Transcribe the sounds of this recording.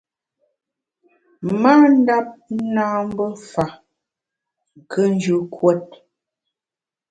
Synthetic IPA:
ma˦n̩˦da˦p̚naː˦m˦bə˦fa˨ | ŋ̩˨kʰə˦n˦d͡ʒʉ˦kʰwɛ˦t̚

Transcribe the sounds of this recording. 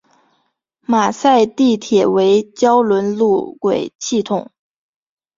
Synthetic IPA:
ma˨˩sa˥˧ɪt̪i˥˩t̪ʰjɛ˨˩we˧˥ɪt͡ɕjɑ˥ʊlwə˧˥nlu˥˩kwe˨˩ɪɕʰi˥˩t̪ʰʊ˨˩˦ŋ

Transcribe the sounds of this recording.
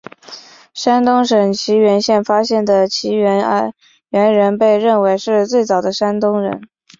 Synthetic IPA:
ʂa˥nt̪ʊ˥ŋʂɤ˨˩ŋt͡ɕʰi˧˥ɥɛ˧˥nɕjɛ˥˩nfa˥ɕjɛ˥˩nd̪ə˩t͡ɕʰi˧˥˧ | ɥɛ˧˥nɻə˧˥npe˥˧ɪɻə˥˩nwe˧˥ɪʂɻ̩˥˧t͡swe˥˩ɪt͡sɑ˨˩ʊd̪ə˦ʂa˥nt̪ʊ˥ŋɻə̰˧˥n

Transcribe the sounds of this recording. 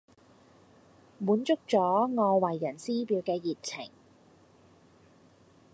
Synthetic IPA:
muː˨˥nt͡sʊ˥k̚t͡sɔː˨˥ŋɔː˧wɐ˨˩jːɐ˨˩nsiː˥piː˧wkɛː˧jiː˨t̚t͡sʰɪ˨˩ŋ

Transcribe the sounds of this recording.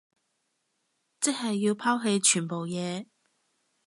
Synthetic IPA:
t͡sɪ˥k̚hɐ˨jːiː˧wpʰaː˥wɦe˧jt͡ʃʰyː˨˩npo˨wjɛː˨˧

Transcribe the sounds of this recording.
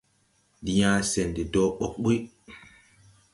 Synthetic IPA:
di˨jã˦sɛ˨ndi˨dɔ˦ɓɔ˨k̚ɓu˦

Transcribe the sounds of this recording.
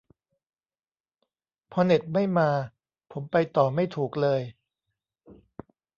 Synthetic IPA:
pʰɔː˧ne˨˩t̪̚ma˥˩jmaː˧ | pʰo˩˦mpa˧jt̪ɔː˨˩ma˥˩jt̪ʰuː˨˩k̚lɤː˧j

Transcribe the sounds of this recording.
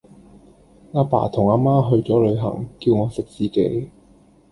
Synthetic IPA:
ŋaː˧pa̰ː˨˩t̪ʰʊ˨˩ŋaː˧maː˥ɦɵ˧ɥt͡sɔː˨˥lɵ˨˧ɥɦɐ̰˨˩ŋki˧wŋɔː˨˧sɪ˨k̚t͡siː˨kḛ˨˥j

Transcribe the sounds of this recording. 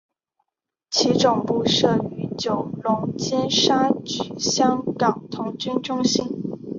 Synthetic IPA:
t͡ɕʰi˧˥ʈ͡ʂʊ˨˩ŋpu˥˧ʂɤ˥˩y˧˥t͡ɕjo˨˩ʊlʊ˧˥ŋt͡ɕjɛ˥nʂa˥t͡ɕy˨˩ɕjɑ˥ŋkɑ˨˩ŋt̪ʰʊ˧˥ŋt͡ɕy˥nʈ͡ʂʊ˥ŋɕi˥˩n

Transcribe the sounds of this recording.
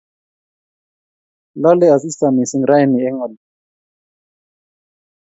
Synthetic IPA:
la˦lɛ˦a˨si˦sa˨mi˨si˦ŋɾa˦ɛ˦˨ni˨ɛ˦ŋɔ˨l

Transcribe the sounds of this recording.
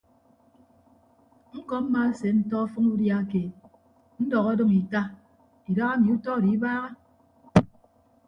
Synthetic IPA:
ŋ̩˦kɔ˨˦m̩˦ma˦se˨n̩˦tɔ˦ɔ˦fɔ˦ŋu˦dja˦ke˨ | n̩˦dɔ˨ɣɔ˦dɨ˦ŋi˨ta˦ | i˨da˦ɣa˦mi˨˦u˦tɔ˦˨di˨i˦baː˦ɣa˦

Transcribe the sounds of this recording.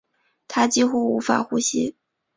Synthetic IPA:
t̪ʰa˥t͡ɕi˥xu˥˩u˧˥fa̰˨˩xu˥ɕi˧˥

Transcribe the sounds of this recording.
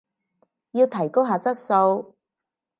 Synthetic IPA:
jiː˧wt̪ʰɐ˨˩jko˥wɦaː˨˧t͡sɐ˥t̚so˧w

